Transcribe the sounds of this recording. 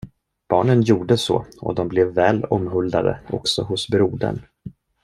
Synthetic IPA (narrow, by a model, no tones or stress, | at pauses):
b̥ɑːɳənjuːɖəsɔ̰ʔɔ̰d̪ɔmblɛvːɛːlɔmːɦɵld̪ad̪ə̰ɔ̰ksɔɦʊsbɾuːɖ̪ə̰ɳ